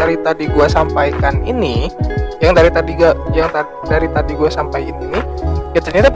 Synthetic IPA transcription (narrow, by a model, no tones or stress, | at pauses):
aɾit̪adiɡuasampajkaninijaŋdaɾit̪adiɡajaŋt̪a | daɾit̪adiɡuasampajininikit͡ʃ̪aɲat̪a